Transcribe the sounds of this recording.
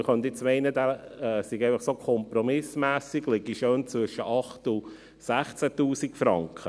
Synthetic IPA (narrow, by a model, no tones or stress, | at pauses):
χœntɪt͡smɛɪnədaɛsɪɡæɪfɑχsokʰɔmprɔmɪsmæːsiɡlɪɡiʃøːnt͡svʏʃəʔɑχtʊ | sæχt͡sætuːsikfɾɑŋkʰə